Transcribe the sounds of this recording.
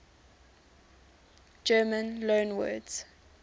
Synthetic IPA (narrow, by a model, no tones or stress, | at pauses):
d͡ʒɜːmə̃nlõːnwɜ̰ːdz̥